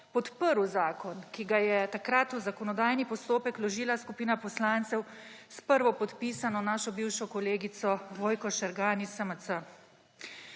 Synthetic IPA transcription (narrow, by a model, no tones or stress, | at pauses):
pɔt̪pəɾuzaːkɔnkiɡajɛt̪akɾat̪uzakɔnɔd̪aːjnipɔst̪oːpɛklɔʒiːlaskupiːnapɔslaːnt̪sɛwspəɾʋɔpɔt̪piːsanɔnaːʃɔbiwʃɔkɔleːɡit̪sɔʋoːjkɔʃɛɾɡaːnisəmət̪sə